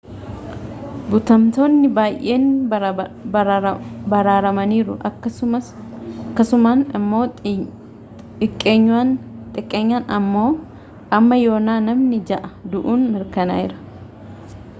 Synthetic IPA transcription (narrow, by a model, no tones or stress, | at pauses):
bʊt̪ɐmt̪o̞ːnːɪbaːjʔe̞ːn | bɐɾaːɾɐmɐniːɾʊʔɐkːɐʊɐ | kːɐsʊmaːnɪmːo̞ː | ɪkʼːeːɲːaːnt̪ʼɪkʼːeːɲːaːnɐmːo̞ː | ʔɐmːɐjo̞ːnaːnɐmnɪd͡ʒɐʔɐd̪ʊʔuːnmɪɾkɐna̰ːɪɾɐ̥